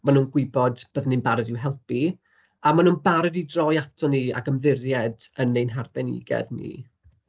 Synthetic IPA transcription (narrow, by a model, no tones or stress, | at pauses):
manuːnɡwɪbɔdb̥əðnɨnbaɾɨdɪwɦɛlˠpi | amanuːnbaɾɛdidrɔjatʰɔnia̰ɡəmðɪrjɛdənːejnɦarbɛnɪ̰ɡɛ̰ðnḭː